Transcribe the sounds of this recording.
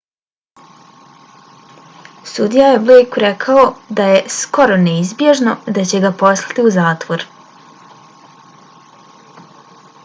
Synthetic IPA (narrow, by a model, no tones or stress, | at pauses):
sud̪ijaje̞blejkuɾekʰaod̪aje̞sko̞ɾo̞neizbje̞ʒno̞d̪at͡ɕe̞ɡapo̞slˠḁt̪iuzaːt̪ʋo̞ɾ